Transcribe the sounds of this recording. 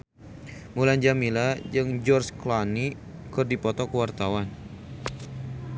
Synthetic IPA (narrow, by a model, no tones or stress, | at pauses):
muland͡ʒamilad͡ʒɨŋd͡ʒɔrsklani | kɨrdipɔt̪ɔkəwart̪awan